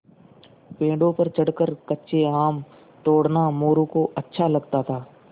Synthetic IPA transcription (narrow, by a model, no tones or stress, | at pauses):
pẽːɖõpɐɾt͡ʃɐɽkəɾkɐtːʃʰeaːm | t̪oːɽnamoːɾõkoʔɐtːʃʰalɐɡt̪at̪ʰaː